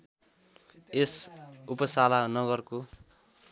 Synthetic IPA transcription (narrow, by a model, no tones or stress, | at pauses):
esupʌsalanʌɡʌrko